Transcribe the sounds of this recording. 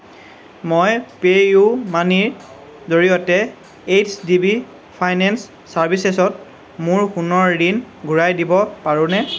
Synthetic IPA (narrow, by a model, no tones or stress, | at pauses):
mojpejumaniɹ | zoɹijɔtɛ | et͡ʃʰdibi | pʰajnɛnsː | aɹbʱisesɔt̚ | mʊɹxunɔɹdin | ɡʱuɹajdibɔpaɹʊ̃nɛ